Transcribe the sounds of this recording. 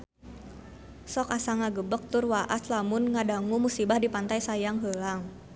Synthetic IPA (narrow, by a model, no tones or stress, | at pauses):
sɔkasaŋaɡəbək̚t̪ʊrwaʔat̪lamʊnŋadaŋumusibahdipant̪ajsajaŋɦəlaŋ